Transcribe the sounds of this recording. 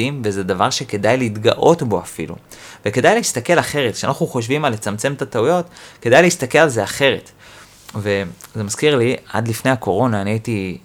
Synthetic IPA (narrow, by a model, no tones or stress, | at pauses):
imvezed̪avaʁʃeke̞dajleit̪ɡa̰ʔo̞tbo̞afḭlṵveke̞d̪ajleist̪ake̞laχe̞ʁetkʃea̰naχnuχo̞ʃ̬vimalːet͡samt͡se̞mt̪at̪aujo̞tke̞d̪ajleist̪akelalzeaχe̞ʁe̞t | ve̞ze̞maz̥kiʁlia̰d̪lifne̞jako̞ʁo̞naːniaiti